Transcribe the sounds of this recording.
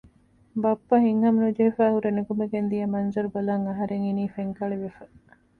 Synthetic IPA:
bɐpːɐɦiŋhɐmnud͡ʒeɦifæːhuɾenuɡumeɡend̪ijɐmɐnzɐɾubɐlɐŋɐɦɐɾeŋiniːfeŋkɐɭeʋefɐ

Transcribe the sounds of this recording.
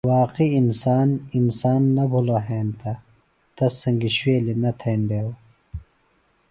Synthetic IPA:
waːqiːnsaːninsaːnːɐbʱuloɦeːnt̪ɐ | t̪ɐsːɐŋɡiɕweːlinɐt̪ʰeːɳɖeːw

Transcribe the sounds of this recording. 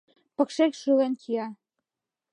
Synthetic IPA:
pə̆kʃekʃulenkʰiɑ

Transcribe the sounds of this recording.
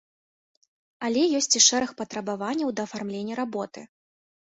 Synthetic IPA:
alʲɛjɔsʲt͡sʲiʂɛɾɐxpɐt̪ɾɐbavanʲːɐwd̪ɐːfarmlʲenʲːɐɾabɔt̪ɨ

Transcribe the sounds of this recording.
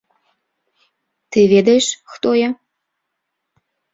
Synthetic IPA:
t̪ɨβed̪eʃxt̪ojɑ

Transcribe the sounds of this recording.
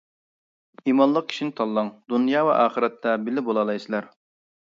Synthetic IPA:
imɑnlˠəq̚kʲʰi̥ʃinɪt̪ʰɑlˠːɑŋd̪unjɑːvɛ̰ʔɑːχəɾɛt̪ʰːɛbɪlɪbolˠɑlˠɑjsɨlæɾ

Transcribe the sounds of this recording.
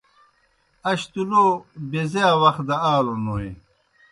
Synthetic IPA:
ɐɕt̪ulobezeawɐx̚d̪ɐaːlonoːi

